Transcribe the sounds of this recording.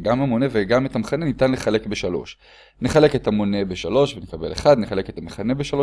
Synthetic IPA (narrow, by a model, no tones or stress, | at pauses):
ɡamamo̞neveɡametamχanenitanleχale̞kbeʃalo̞̰ʃ | neχale̞ketamo̞ne̞beʃalo̞ʃvenekabḛleχad̪neχale̞ketamaχane̞beʃalo̞